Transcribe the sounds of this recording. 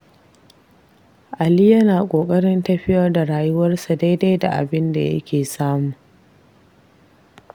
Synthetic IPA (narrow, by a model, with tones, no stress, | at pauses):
ʔa˨li˦jɐ˦naː˨kʷʼoː˨kʼɐ˦ɽɪ˦ntɐ˦ɸɪ˦jɐ˦rda˨ɽaː˨jʊ˦wɐ˦rsa˨da˦jda˦jda˨ʔa̰˨bɪ˦nda̰˨jɐ̰˦kʲʰeː˨saː˦muː˨ʔ